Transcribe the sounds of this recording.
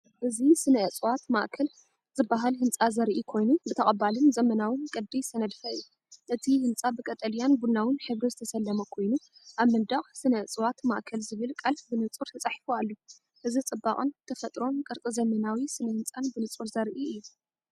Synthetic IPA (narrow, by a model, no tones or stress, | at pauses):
ʔɨzisɨnɐɨt͡sʼwat̪ma̰ʔkʰɐl | z̥ɨbːaɦalhɨnt͡sʼazɐɾʔikʰo̞jnubɨt̪ʰɐχʼɐbalɨnzɐmɐnawɨnkʼɐd̪ijsɐnɐd̪fɐɨjːu | ʔɨt̪ʰihɨnt͡sʼabɨkʼɐt̪ʼɐljanbunawɨnħɨβɾizɨt̪ʰɐsɐlːɐmɐkʰo̞jnuʔaβmɐnd̪ɐχʼsɨnɐt͡sʼwat̪ma̰ʔkʰɐlzɨβɨlkʼalfbɨnɨt͡sʼuɾt̪ʰɐt͡sʼaħifualːu | ʔɨzit͡sʼɨbːaχʼɨnt̪ʰɐfɐt̪ʼɾo̞nkʼɨɾt͡sʼizɐmɐnawisɨnɐhɨnt͡sʼanbɨnɨt͡sʼuɾzɐɾʔiʔɨjːu